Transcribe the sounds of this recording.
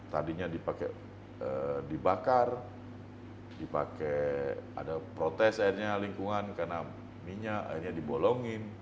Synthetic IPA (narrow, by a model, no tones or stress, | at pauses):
t̪a̰diɲadipakɛ | ədibakar | dipa̰kɛa̰dapɾot̪ɛsairɲaliŋkuŋankarna | miɲaa̰irɲadibolɔŋɪn